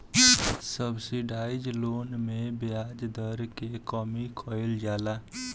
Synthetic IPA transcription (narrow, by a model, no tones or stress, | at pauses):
səbsiɖajd͡ʒlonmebjad͡ʒd̪əɾkekəmikʰɔjld͡ʒala